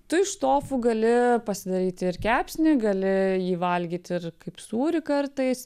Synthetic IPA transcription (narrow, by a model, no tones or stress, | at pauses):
t̪ʊɪʃt̪oːfʊɡɐlʲɪpɐsʲɪd̪ɐɾʲiːt̪ʲɪɾkʲæːpʲsʲnʲɪɡɐlʲɪjiːʋɐlʲɡʲiːt̪ʲɪɾkɐɪpsuːɾʲɪkɐrt̪ɐɪs